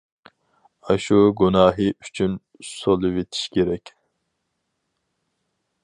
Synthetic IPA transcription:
ɑʃuɡunɑːɦɨʔyt͡ʃʰyn | solˠuvet̪ʰi̥ʃkʲeɾɛkʲ

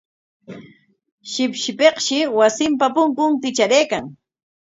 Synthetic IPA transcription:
ʃɪpʃɪpeqʃɪwasɪmpapʊŋkʊŋk̪ɪt͡ʃaɾejkaŋ

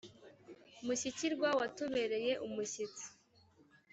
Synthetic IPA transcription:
umuɕiciɾɡwawatuβe̞ɾe̞je̞ʔumuɕit͡si̥

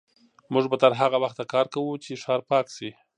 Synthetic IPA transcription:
mʊʒbat̪aɾɦaɣawaxt̪akɑɾkawut͡ʃeʃɑɾpɑkʃi

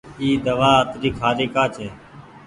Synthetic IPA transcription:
iːd̪əʋaːət̪ɾiːkʰaːɾiːkaːt͡ʃʰeː

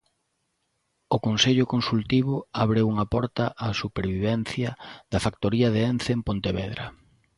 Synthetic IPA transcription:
ʊkonseʎʊkonsult̪iβ̞ʊaβɾewuŋɐpɔɾt̪ɐʔasupeɾβiβɛn̟θjɐðɐfak̚t̪oɾiɐðeɛn̟θempont̪eβɛðɾɐ̰

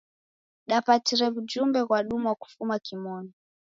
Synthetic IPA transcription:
ɗapatiɾɛβud͡ʒumbɛɣwaɗumuwaku̥fumakimɔnɔ

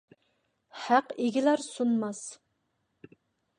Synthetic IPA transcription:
hæqeɡʲilæɾsunmɑs

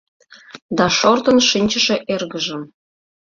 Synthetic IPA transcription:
d̪ɑʃort̪ənʃinʲt͡ɕə̆ʃĕʔerɣəʒə̆m

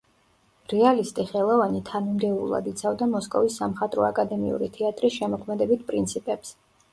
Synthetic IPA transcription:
ɾɛalist̪ʼiχɛlˠɔvanit̪ʰanimd̪ɛulˠa̰d̪it̪sʰavd̪amɔskʼɔ̰visːamχat̪ʼɾɔakʼad̪ɛmḭṵɾit̪ʰɛat̪ʼɾisʃɛmɔkʰmɛd̪ɛbit̪̚ʰpʼɾint̪sʰipʼɛps

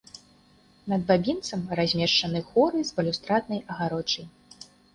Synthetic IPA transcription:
nɐd̪̚babʲint̪sɐmrazʲmʲɛʂt͡ʂɐnɨxɔɾɨzbɐlʲust̪ɾat̪̚nɐjɐɣaɾɔt͡ʂɐj

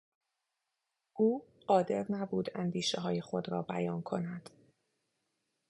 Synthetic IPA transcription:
ʔuː | ɢɒːd̪e̞ɾnæbuːd̪ænd̪iːʃeɦɒːjexo̞d̪ɾɒ̰ːbæ̰jɒːnkʰo̞næd̪̥

